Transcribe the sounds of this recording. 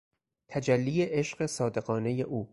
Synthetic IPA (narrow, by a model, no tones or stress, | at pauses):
t̪ʰæd͡ʒælːiːjeʔeʃɢe̞sɒːd̪e̞ɢɒːne̞je̞ʔuː